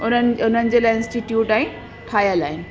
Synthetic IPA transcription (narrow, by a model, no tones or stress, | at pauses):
ʊnənʊn̤ənɪ̆d͡ʑeːlaːɪnsʈiʈjuːʈaːɦĩ | ʈʰaːjəlaːɦɪnɪ̆